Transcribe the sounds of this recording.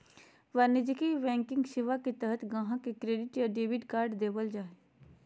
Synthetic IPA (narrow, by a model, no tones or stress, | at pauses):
ʋɐɾnɪd͡ʒkiʋɛ̃ːŋkɪ̃ŋɡʃɪʋaket̪əɦət̪ʰɡãːɦãkekɾeːɖɪʈjaɖeːbɪʈkaːɾɖd̪eːbəld͡ʒaːe